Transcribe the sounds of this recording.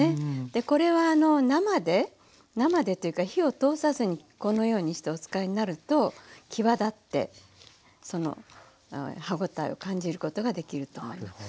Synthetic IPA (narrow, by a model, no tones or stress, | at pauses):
ed̪̥e̞ko̞ɾe̞βaːno̞namad̪e̞ | namad̪e̞t̪o̞jɯ̟kaçio̞t̪o̞ːsazɨɲ̟i | ko̞no̞jo̞ːɲ̟iɕi̥t̪eo̞t͡sɨ̥kaiɲ̟inaɾɯ̟t̪o̞kʲʰiβad̪at̪ːe̞̰ | so̞no̞̰ | haɡo̞t̪aḭo̞̰kãɲ̟d͡ʑiɾɯ̟ko̞t̪o̞ɡad̪e̞kʲiɾɯ̟t̪o̞ːmo̞imasɨ̥